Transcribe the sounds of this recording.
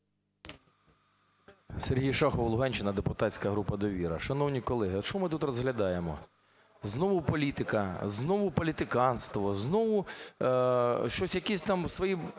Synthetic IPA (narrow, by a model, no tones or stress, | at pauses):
serɦijʃɑxɔʋɐlˠʊɦɑnʲt͡ʃɪnɐd̪epʊt̪ɑt͡sʲkɐɦɾupɐd̪ɔʋʲiɾɐ̰ʃɐnɔwnʲikɔlˠɛɦɪɔʃɔmɪt̪ut̪rɔzɦlʲɐd̪ɑjemɔ̰ | znɔʋʊpɔlʲit̪ɪkɐznɔʋʊpɔlʲit̪ɪkɑnst̪ʋɔznɔʋʊ | ʃt͡ʃɔsʲjɐkɛsʲt̪ɑmsʋɔji